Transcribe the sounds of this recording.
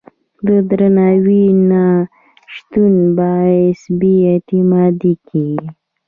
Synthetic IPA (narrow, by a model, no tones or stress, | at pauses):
d̪əd̪ɾanawina | ʃt̪unbɑɪsbeet̪ɪmɑd̪ikʰi